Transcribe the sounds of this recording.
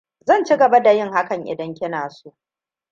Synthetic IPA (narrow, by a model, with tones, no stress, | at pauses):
zɐ˦˨nt͡ʃi˦ɡɐ˨ba˦da˨jɪ˦ŋha˦kɐ˨ŋʔɪ̰˨dɐ˦ŋkʲɪ˦naː˨su˦ʔʔ